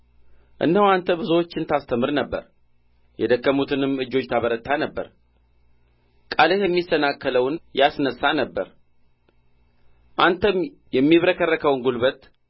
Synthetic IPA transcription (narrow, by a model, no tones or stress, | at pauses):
ʔɨ̰nːəhwant̪ʰəbɨzəwot͡ʃːɪnt̪ʰast̪ʰəmɨɾnəbːə̰ɾ | jɛd̪əkːəmut̪ʰɨnɨmːɨd͡ʒːo̞t͡ʃːt̪ʰaβəɾət̪ːanəbːə̰ɾ | kʼaləjɛmːisənakːələwnjasnəsːanəbːə̰ɾ | ʔant̪ʰəm | jɛmːiβɾəkʰərːəkʰəwnɡulβət̪